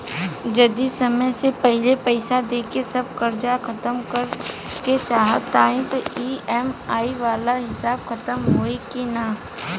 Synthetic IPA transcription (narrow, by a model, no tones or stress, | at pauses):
d͡ʒɐd̪isɐməjsepɛɦlepɛɪsad̪eːkesɐb̚kɐɾd͡ʒakɐt̪əmkəɾket͡ʃaːɦə̰t̪ːaːɦẽt̪oiːɛmaːiʋaːlaɦɪsaːbxɐt̪əmɦoːekinaː